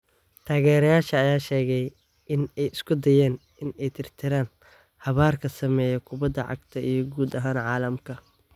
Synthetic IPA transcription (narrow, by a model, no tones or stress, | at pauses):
t̪ʰaːɣɛːɾɐjaːʃɐːjaːʃɛːɣɛj | ʔɪnɛjɪskʰʊd̪ɐjɛːn | ɪnɛjt̪ʰɪrt̪ʰɪɾaːn | hɐβaːrkʰɐsɐmɛːjɐkʰʊbɐd̪ɐʕɑ̰ɡt̪ʰɐijɞɡuːd̪ɐɦaːnʕɑːlɐmkʰɐ